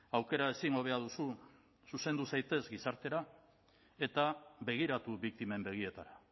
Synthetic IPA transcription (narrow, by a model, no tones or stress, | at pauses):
awke̞ɾae̞siŋɡo̞β̞e̞aðusu | suse̞nd̪usajt̪e̞zɡisaɾt̪e̞ɾa | e̞t̪aβe̞ɣ̞iɾat̪uβik̚t̪ime̞mbe̞ɣ̞ie̞t̪aɾa